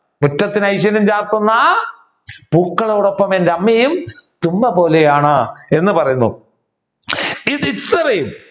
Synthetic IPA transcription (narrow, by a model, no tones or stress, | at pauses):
mutːɐt̪ːinɐjɕ̬ɐnumt͡ɕaːrt̪unːɐ | b̥uːkːɐɭo̞ːɽopːɐmendɐmːɐjumt̪umːɐpo̞ːlejaːɳɨe̞nːɨpɐrɐjunːṵ | iðit̪ːɐrɐjum